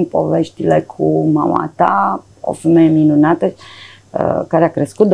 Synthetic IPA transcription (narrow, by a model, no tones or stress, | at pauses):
mpo̞veʃt̪ilekʰumama̰t̪a | o̰femejeminunat̪ə | əkaɾeakɾeskut̪̚d̪